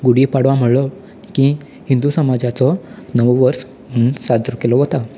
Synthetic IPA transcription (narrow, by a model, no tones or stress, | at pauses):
ɡuɽipaɽʋam̤əɽlɔ | ki | hind̪usəmad͡zat͡sɔnəʋʋəɾs | munsad̪ɾɔkelɔʋot̪a